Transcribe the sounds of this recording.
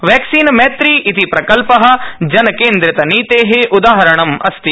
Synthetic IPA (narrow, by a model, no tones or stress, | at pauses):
ʋeːksiːnmɛːt̪ɾiːʔit̪ipɾɐkɐlpɐɦɐ̆d͡ʒɐnɐkeːnd̪ɾɪt̪ɐniːt̪eːɦeʔʊd̪aːɦɐɾɐɳ̃ɐmɐst̪i